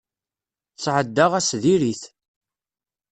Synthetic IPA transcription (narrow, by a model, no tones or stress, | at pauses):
t͡sːʕəd̪ːaʁæsðiɾiθ